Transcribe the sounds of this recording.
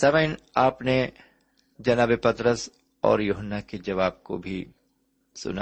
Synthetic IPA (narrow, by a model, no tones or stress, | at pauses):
sɐməɪnaːpne | d͡ʒɐnaːbepɐt̪ɾəs | ɔ̰ːɾjuːɦənːaked͡ʒɐʋaːb̚ko̰bʱi | sʊ̰na